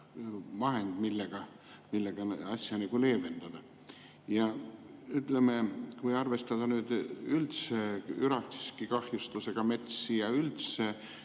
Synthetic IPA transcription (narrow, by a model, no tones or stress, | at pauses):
mɑɦe̞nd̪̥milːeɡ̥ɑ | milːeɡ̥ɑɑsʲjɑnɑɡ̥ule̞ːve̞nd̪̥ɑd̪̥ɑ | jɑyt̪ˑlemekujɑrve̞st̪ɑd̪̥ɑnyːd̪̥ylt̪seyɾɑt̪si̥skikɑhjust̪use̞ɡ̥ɑme̞t̪sijɑylt̪se